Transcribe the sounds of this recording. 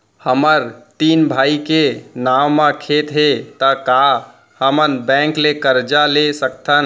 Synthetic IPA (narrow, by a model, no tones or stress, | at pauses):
həməɾt̪inbʱaikenawmãkʰet̪ɦet̪əka | həmənbɛ̃ŋklekəɾd͡ʒalesək̚t̪ʰən